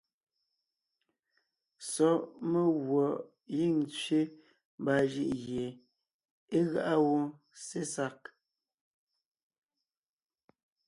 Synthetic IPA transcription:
sɔ˨˦ʔme˦ɣwɔ˨ʔ | ji˦˨ŋt͡sɥe˦ | mba˨ʒi˦ʔɣje˨ | e˦ɣa˦ʔa˦wɔ˦ | se˦sa˦k̚

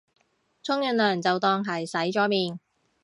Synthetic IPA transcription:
t͡sʰʊ˥ŋjɵ˧nlœː˨˩ŋt͡sɐ˨wt̪ɔː˧ŋɦɐ˨jsɐ˨˥jt͡ʃɔː˨˥miː˨˩n

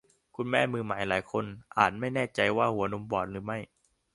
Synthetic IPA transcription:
kʰu˧nmɛː˥˩mɯː˧maː˩˦jlaː˩˦jkʰo˧nʔa̰ː˨˩t̪̚ma˥˩jnɛː˥˩t͡ɕa˧jwaː˥˩hu˩˦ɐno˧mbɔː˨˩t̪̚ɾɯː˩˦ma˥˩j

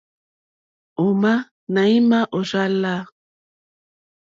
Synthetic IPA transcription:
o˨ma˦ | na˨i˦ma˦ʔo˨za˦la˦

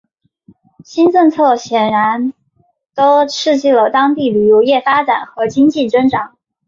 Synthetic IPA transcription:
ɕi˥nʈ͡ʂɤ˥˧ŋt͡sʰɤ˥˩ɕjɛ˨˩nɻa˧˥n | t̪o˥ʊʂʰɻ̩˥˧t͡ɕi˥˩lə˩t̪ɑ˥ŋt̪i˥˩ly˨˩ju˧˥jɛ˥˩fa˥ʈ͡ʂa˨˩˦nxɤ˧˥t͡ɕi˥ŋt͡ɕi˥˩ʈ͡ʂə˥ŋʈ͡ʂɑ˨˩˦ŋ

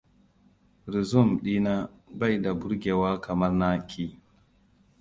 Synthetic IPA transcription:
ɾi˨zu˦˨mɗi˦na˦ba˦˨jda˨bu˦ɾɡe˨wa˦kʰa˨ma˦ɾna˦kʰi˦

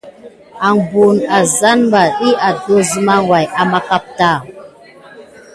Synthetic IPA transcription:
a˨ŋbu˨na˨za˦nmba˨ɗi˦a˨do˦zu˦ma˦ŋwa˨ja˨ma˦ka˦p̚ta˦˨

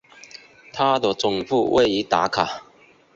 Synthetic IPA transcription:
t̪ʰa˦˥d̪ə˨t͡sʊ˨˩ŋfu˥˧wʔḛ˥˨ɪi˧˦t̪a̰˨˦kʰa˨˩

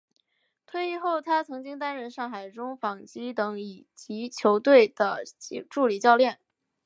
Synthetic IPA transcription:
t̪ʰwe˥˧ɪi˥˧xo˥˩ʊt̪ʰa˥t͡sʰɤ˧˥ŋt͡ɕi˥ŋt̪a˥nɻə˥˧nʂɑ˥˩ŋxa˨˩ɪʈ͡ʂʊ˥ŋfɑ˨˩ŋt͡ɕi˧˥t̪ɤ˧˥ŋi˨˩t͡ɕi˧˥t͡ɕʰjo˧˥ʊt̪we˥˩ɪd̪̥ə˩˧ʈ͡ʂu˥˩li˨˩t͡ɕjɑ˥˧ʊljɛ˥˩n

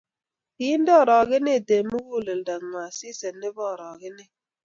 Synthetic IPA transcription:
i˦n̩˦dɔ˦˨ɾɔ˨ɣɪ˦ne˦˨de˨mu˦wu˦˨le˨n̩˨da˨ŋ˨ŋʷ˨a˨si˦se˨nːe˦bɔ˦˨ɾɔ˨ɣɪ˦ne˦

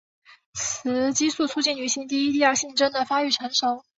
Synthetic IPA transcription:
t͡sʰɹɹ̩˧˥t͡ɕi˥su˥˩t͡sʰu˥t͡ɕi˥˩nny˨˧˩ɕi˧˥ŋt̪̬i˥˧i˥i˥˧a˞˥˧ɕi˥˩ŋʈ͡ʂə˥nd̪ə˨fa˥y˥˩ʈ͡ʂʰə˧˥nʂɤ˧˥ŋ

